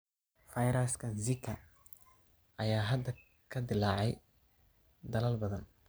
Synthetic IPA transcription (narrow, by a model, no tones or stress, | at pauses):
fɐjɾɐskʰɐnzɪkʰːɐ | ʔɐjaːɦɐd̪ɐ | kʰɐd̪ɪlaːʕɛj | d̪ɐlɐlbɐðɐn